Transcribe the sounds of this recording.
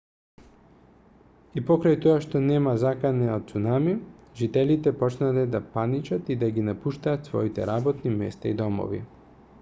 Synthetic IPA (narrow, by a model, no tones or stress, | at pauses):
ipɔkɾajt̪oaʃt̪onɛmazakanɛot̪̚sunamiʒit̪ɛlit̪ɛpɔt͡ʃnalɛd̪apanit͡ʃat̪id̪aɡinapuʃt̪aːt̪svɔ̰it̪ɛ̰ɾabɔt̪nimɛ̰st̪aid̪ɔmo̰vḭ